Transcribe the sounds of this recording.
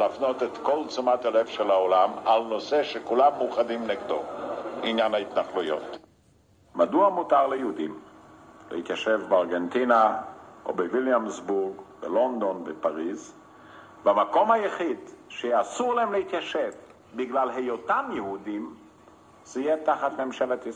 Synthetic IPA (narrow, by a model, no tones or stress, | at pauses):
lafnot̪et̪kolt͡sumat̪alefʃelaolamalnoseʃekulamːuχad̪imneɡd̪oinjanhait̪naχlujo̰t | maduamutaʁlejehudim | lḛit̪jaʃevbeaʁɡent̪inaʔo̰beviljamzbuʁɡbelond̪o̞nbepaʁiz | veamako̞mhajaχid̪ʃeasuʁlaemlehit̪jaʃev | biɡlalɦejotamjehudim | z̥ijet̪aχat̪memʃelet̪is